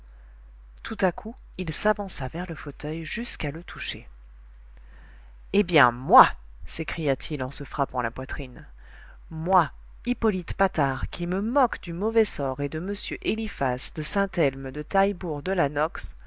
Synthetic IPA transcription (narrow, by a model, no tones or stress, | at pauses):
t̪ʰut̪akʰu | ilsavɑ̃savɛʁləfot̪œjʒyskalət̪ʰuʃe | ebjɛ̃mwa | sekχijat̪ʰilɑ̃səfχapɑ̃lapwat̪χin | mwa | ipɔlit̪pat̪aʁkʲiməmɔkd̪ymɔvɛsɔʁed̪əməsjøʔelifasd̪əsɛ̃t̪ɛlmd̪ət̪ajbuʁd̪əlanɔks